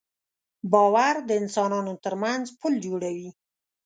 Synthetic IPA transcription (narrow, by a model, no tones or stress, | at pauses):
bɑwaɾd̪əɪnsɑnɑnot̪əɾmanzpʰəld͡ʒoɽawi